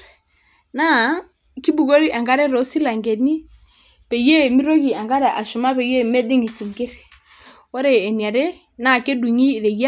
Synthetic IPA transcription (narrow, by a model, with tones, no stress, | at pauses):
na˦ | ki˦bu˨ɣo˦ɾi˦ʔa˨ŋɡa˦ɾɛ˦ɾɔ˨˦si˦la˨ŋɡɛ˨ni˦ | pɛ˨je˦˨mi˦ɾo˦ɣi˨a˨ŋɡa˦ɾɛ˨ʔa˨ʃu˨ma˦pɛ˨je˦mɛ˦di˦ŋi˨si˨ŋɡe˦ɾe˨ | wɔ˦ɾɛː˦˨ni˨a˨ɾe˦ | na˨ke˦du˨ɲi˦˨ɾɛ˨ja˦